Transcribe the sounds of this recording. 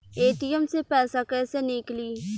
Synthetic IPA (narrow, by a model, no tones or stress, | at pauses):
eːʈɪjəmsepɛːsakɛːsenɪkliː